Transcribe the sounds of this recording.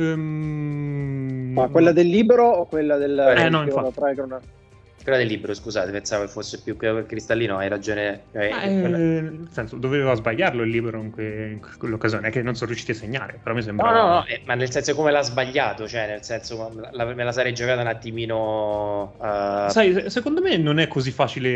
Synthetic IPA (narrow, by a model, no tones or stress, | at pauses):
m | makwelːad̪elːiːbeɾoːkwelːad̪elɛnɔĩfat̪ɾajkuna | kwelːad̪elːiːbeɾoskuzaːt̪epensaːvokefːosːepjukːekɾist̪alːiːnoajɾad͡ʒoːnekajɛelsɛnsod̪ovevazbaʎːarloilːiːbeɾoiŋkweiŋkkwelːokːazjoːneɛkːenːonsɔnɾjuʃiːt̪iasːeɲːaːɾepeɾɔmːis̬ɛmbnɔnɔnɔʔɛmanːelsɛnsokomelazbaʎːaːt̪ot͡ʃoɛnelsɛnsolalamelasaɾɛjd͡ʒokaːt̪aunat̪ːimiːno | sajsekond̪omenonɛkʰːozifːaːt͡ʃile